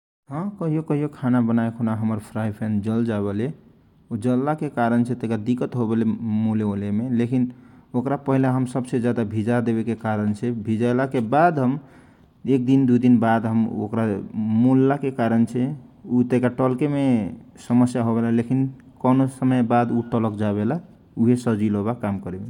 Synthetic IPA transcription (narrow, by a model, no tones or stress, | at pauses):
ɦə̃kəɦijokəɦijokʰanabənaekʰonaɦəməɾpʰɾajpʰɛ̃nd͡ʒəld͡ʒaβele | ud͡ʒəlːakekaɾənt͡ʃʰɛt̪ekad̪ikət̪ɦobelemuleolemelekinokɾapəɦilaɦəmsəbsed͡ʒjad̪abʱid͡ʒad̪eβekekaɾənt͡ʃʰɛbʱid͡ʒalakebad̪ɦəm | ek̚d̪ind̪ud̪inbad̪ɦəmo̰kɾamulːakekaɾənt͡ʃʰɛut̪ekaʈəlkemesəməsjaɦoβelalekin | kənosəməjbad̪uʈələkd͡ʒaβela | uɦesəd͡ʒiloβakamkəɾebe